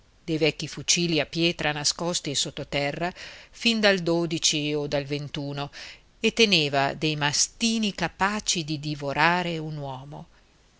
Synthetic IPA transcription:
d̪̥ejvɛkːifut͡ʃiːliapːjɛːt̪ɾanaskɔst̪iesːot̪ːot̪ɛrːafind̪ald̪oːd̪it͡ʃiod̪alvent̪uːno | et̪ːeneːvad̪ejmast̪iːnikapaːt͡ʃid̪id̪ivoɾʔaːɾeunwɔːmo̰

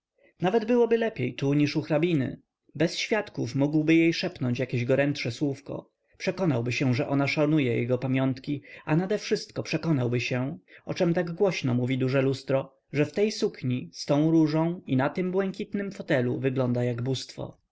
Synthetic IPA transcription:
navɛd̪bɘwɔbɘlɛpʲjejt̪uɲiʂuxɾabʲinɘ̰ | bɛsɕfʲjat̪kufmuɡwbɘjejʂɛpnɔɲt͡ɕjakʲeʑɡɔɾɛntʂɛswufkɔ̰ | pʂɛkɔnawbɘɕɛ̃ʐɛʔɔnaʂalnujɛjɛ̰ɡɔpamʲjɔnt̪kʲianad̪ɛfʂɘst̪kɔpʂɛkɔnawbɘɕɛɔ̰t͡ʂɛmt̪aɡɡwɔɕnɔmuvʲid̪uʐɛlust̪ɾɔ | ʐɛft̪ɛjsukɲist̪ɔ̃w̃ɾuʐɔ̃w̃inat̪ɘmbwɛŋkʲit̪nɘmfɔt̪ɛlṵvɘɡlɔnd̪ajaɡbust̪fɔ̰

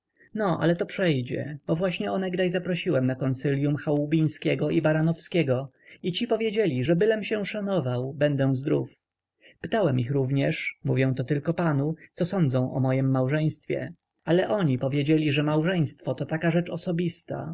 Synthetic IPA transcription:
nɔʔa̰lɛt̪ɔpʂɛjd͡ʑɛ̰bɔvwaɕɲɛɔnɛɡd̪ajzapɾɔɕiwɛmnakɔnt̪silʲjumxaubʲij̃skʲɛɡɔibaɾanɔfskʲɛɡɔ | it͡ɕipɔvʲjed͡ʑelʲiʐɛbɘlɛmɕɛ̃ʂanɔvawbɛnd̪ɛw̃zd̪ɾṵf | pɘ̥t̪awɛmixɾuvɲɛʂmuvʲjɔ̃w̃t̪ɔt̪ɘlkɔpanut̪sɔsɔnd̪zɔ̃w̃ʔɔ̰mɔjimːawʐɛj̃st̪fʲjɛ̰ | alɛʔɔɲipɔvʲjed͡ʑelʲiʐɛmawʐɛj̃st̪fɔt̪ɔt̪akaʐɛt͡ʂɔsɔbʲist̪a̰

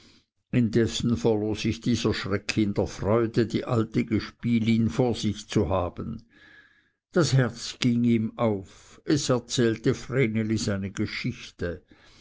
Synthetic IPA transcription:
ɪndɛsn̩fɛɐloːsɪçd̥iːzɐʃʁɛkʰɪndəɐfʁɔʏdədiːʔaltəɡəʃpiːlinfoːɐz̥ɪçt͡suhaːb̥ən | d̥ashɛɐt͡sɡ̥iŋiːmaʊfɛsɛɐt͡sɛːltəfreːneliz̥aɪnəɡ̥əʃɪçtə

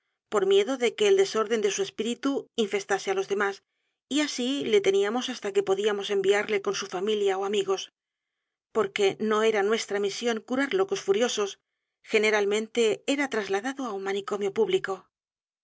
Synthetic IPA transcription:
po̞ɾmje̞ðo̞ðe̞ke̞ːld̪e̞so̞ɾðe̞nd̪e̞sue̞spiɾit̪uiɱfe̞st̪asealo̞zðe̞mas | iasile̞t̪e̞niamo̞sast̪ake̞po̞ðiamo̞se̞mbiaɾle̞ko̞nsufamiljao̞amiɣo̞s | po̞ɾke̞no̞e̞ɾanwe̞st̪ɾamisjo̞ŋkuɾaɾlo̞ko̞sfuɾjo̞so̞s | xe̞ne̞ɾalmẽ̞nt̪e̞eɾat̪ɾazlaðaðoaunmaniko̞mjo̞puβliko̞

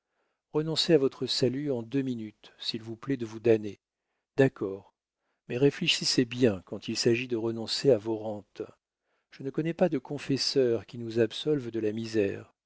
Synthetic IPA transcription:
ʁənɔ̃seavɔt̪χəsalyɑ̃d̪øminyt̪silvuplɛd̪əvud̪ane | d̪akʰɔːʁ | mɛʁefleʃisebjɛ̃kɑ̃t̪ʰilsaʒid̪əʁənɔ̃seavoʁɑ̃t̪ | ʒ̥ənəkɔnɛpad̪əkɔ̃fɛsœʁkʲinuzabsɔlvd̪əlamizɛ̰ːʁ

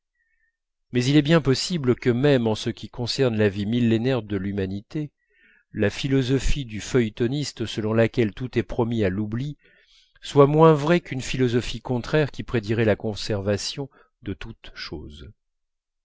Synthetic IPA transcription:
mɛzilɛbjɛ̃pɔsibləkəmɛmɑ̃səkʲikɔ̃sɛʁnlavimilːenɛʁd̪əlymanit̪e | lafilɔzɔfid̪yfœjt̪ɔnist̪səlɔ̃lakʲɛlt̪ut̪ɛpχɔmialubli | swamwɛ̃vʁɛkynfilɔzɔfikɔ̃t̪χɛʁkʲipχed̪iʁɛlakɔ̃sɛʁvasjɔ̃ | d̪ət̪ut̪ʃoːz

